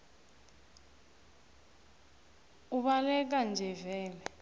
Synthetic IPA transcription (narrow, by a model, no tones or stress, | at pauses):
uɓalɛk̬and͡ʒʱɛvɛːlɛ